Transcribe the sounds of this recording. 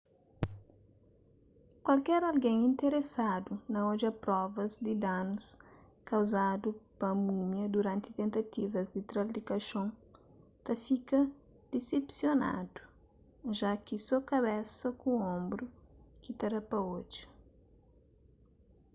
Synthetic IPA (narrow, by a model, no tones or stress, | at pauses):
kwɐlkɛɾɐlɡẽŋĩnt̪eɾesad̪unɐod͡ʒɐpɾɔvɐzd̪id̪anus | kɐwzad̪upɐmumjɐd̪uɾãnt̪i̥t̪ẽnt̪ɐt̪ivɐzd̪it̪ɾɐplikɐʃõŋ | t̪ɐfikɐ | d̪̥isepsjona̰d̪̥u̥ | ʒakisɔkɐβɛsɐkuõmbɾukit̪ɛɾɐpɐod͡ʒɐ̥